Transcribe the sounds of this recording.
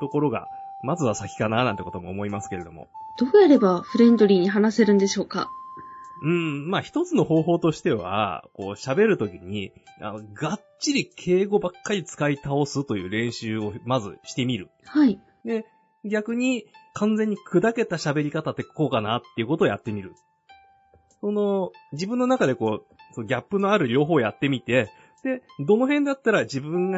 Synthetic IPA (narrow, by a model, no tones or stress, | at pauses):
t̪o̞ko̞ɾo̞ɡa̰ | mazɨβasakʲi̥kananãnt̪eko̞t̪o̞mo̞ːmo̞imasɨ̥ke̞ɾe̞d̪o̞̰mo̞̰ | d̪̥o̞ːjaɾe̞baɸɯ̟ɾẽ̞nd̪oɾʲiːɲ̟iɦanase̞ɾɯ̟̃nd̪e̞ɕo̞ːka̰ | ɯ̟̃ɴmaːçi̥t̪o̞t͡sɨno̞ɦo̞ːɦo̞ːt̪o̞ɕi̥t̪e̞βa̰ko̞̰ːɕabe̞ɾɯ̟t̪o̞kʲiɲ̟i | a̰noɡa | ɕiɾʲikʰe̞ːɡo̞bakːaɾʲit͡sɨ̥kait̪ao̞sɨt̪o̞jɯ̟̰ːɾẽ̞ɰ̃ɕɨːo̞mazɨ̰ɕi̥t̪e̞mʲiɾɯ̟̰ | hai | d̪e̞ | ɡʲakɯ̟ɲ̟ikãnd͡zẽ̞ɲ̟ːikʰɯ̟d̪ake̞t̪aɕabe̞ɾʲikat̪at̪ːekko̞ːkanat̪ːe̞iɯ̟ko̞t̪o̞ːjat̪ːe̞mʲiɾɯ̟̰ | so̞no̞d͡ʑibɯ̟̃nːo̞nakad̪e̞ko̞ː | sonoɡʲapːɯ̟no̞aɾɯ̟ɾʲo̞ːɦo̞ːjat̪ːe̞mʲit̪e̞ | d̪̥e̞d̪o̞noɦẽ̞nd̪at̪ːaɾad͡ʑibɯ̟̃ŋɡa